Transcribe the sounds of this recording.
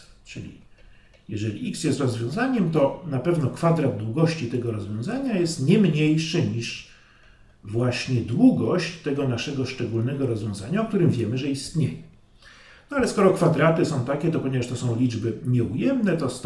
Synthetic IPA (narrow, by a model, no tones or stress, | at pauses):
t͡ʂɘlʲḭ | jɛʐɛlʲḭʔiksjɛst̪ɾɔzvʲjɔ̃w̃zaɲɛmt̪ɔnapɛvnɔkfad̪ɾad̪̚d̪wuɡɔɕt͡ɕit̪ɛɡɔɾɔzvʲjɔ̃w̃zaɲajɛst̪ɲɛmɲejʂɛɲiʂ | vwaɕɲɛd̪wuɡɔɕt͡ɕt̪ːɛɡɔnaʂɛɡɔʂt͡ʂɛɡulnɛɡɔɾɔzvʲjɔ̃zaɲaɔk̚t̪uɾɘmvʲjɛmɘʐɛist̪ɲejɛ | nɔalɛskɔɾɔkfad̪ɾat̪ɘsɔ̃w̃t̪akʲɛt̪ɔpɔɲɛvaʂt̪ɔsɔ̃w̃lʲid͡ʐbɘmʲɛujɛmnɛt̪ɔst̪